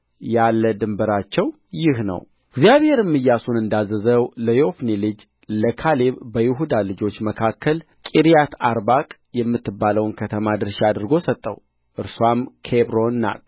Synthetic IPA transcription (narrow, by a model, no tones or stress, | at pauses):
jalːəd̪ɨmbəɾat͡ʃːɛw | jɪhnə̰w | ɪɡzijaβhe̞ɾɨmːɨjːasunɨnd̪azːəzəwləjofnelɨd͡ʒ | ləkʰaleβbəjɪɦud̪alɨd͡ʒo̞t͡ʃːməkʰakʰːəl | kʼiɾijat̪ʰaɾbakʼ | jɛmːɨt̪ʰːɨbːaləwnkʰət̪ʰəmad̪ɨɾʃiad̪ɨɾɡo̞sət̪ʼːə̰w | ʔɨɾsuamkʰebɾo̞nːa̰t̪